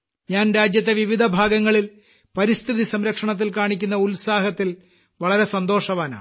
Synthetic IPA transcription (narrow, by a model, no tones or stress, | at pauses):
ɲaːnɾaːd͡ʑjɐt̪ːe̞ʋiʋid̪ʱɐbʱaːɡɐŋːɐɭil | pɐɾist̪ʰiðisɐmɾɐkʂɐɳɐt̪̬ːilkaːɳikʲːunːɐulsaːɦɐt̪ːil | ʋɐɭɐɾe̞sɐnd̪o̞ːʂɐʋaːna̰ːɳ